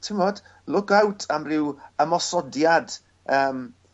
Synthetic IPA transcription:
tʰɪmɔd̥ | lʊkawtʰamrɪwəmɔsɔdjad̥ | əːm

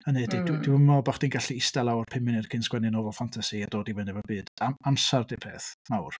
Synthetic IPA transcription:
ənedɪddɪəmɔbaχd̥inɡaɬiɪstalˠawrpʰɪmɪnɪrkʰɪnsɡwɛnɨnɔvɔfantʰasiadoːdiwɛnɨvəbɨːd̥aamsardɨpʰeːθmawr

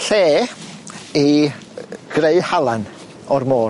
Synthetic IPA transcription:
ɬeː | i | ɡ̥reɨhalˠan | ɔrmoː

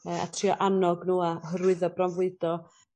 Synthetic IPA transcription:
əa̰tʰriɔʔanɔɡnuːaɦəɾwɨðɔbramvɨdɔ

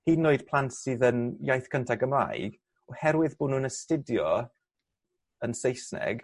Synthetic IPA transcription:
hiːnːoɨd̥pʰl̥ˠantsɨðənjajθkʰəntʰaɡəmra̰ːjɡ | ɔhɛɾwɪðboːdnuːnəstɪdjɔ | ənsejsnɛ̰ɡ

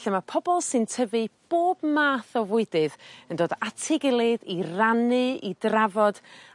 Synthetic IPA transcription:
ɬəmapʰɔbɔlˠsɨntʰəvɨb̥oːbmaːθɔvʊɨdɨðəndoːdatʰɪɡɪlˠɪðiranɨidravɔd

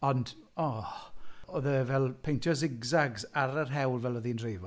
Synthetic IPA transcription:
ɔndɔ | ɔðəvɛlˠpʰejntʰjɔsɪɡzaɡzaɾərɦɛwlˠvɛlˠɔðinrejvɔ

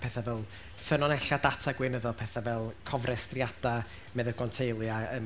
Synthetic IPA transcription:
pʰɛθavɛlˠ | θənɔnɛɬad̥atʰaɡwɨnəðɔpʰɛθavɛlˠkʰɔvrɛstriad̥a | mɛðəɡɔntʰejlˠjaə

